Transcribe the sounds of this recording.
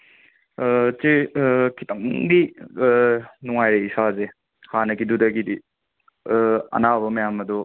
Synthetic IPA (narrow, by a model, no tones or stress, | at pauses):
t͡ʃekʰitɐŋdi | nuŋajɾeisaze | hanɐkidudɐɡidi | ɐ̰nabɐmɐjamɐdɔ